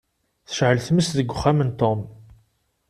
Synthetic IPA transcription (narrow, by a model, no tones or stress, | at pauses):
θə̥ʃʕəlθməsðəɡʷːʊχːamənt̪om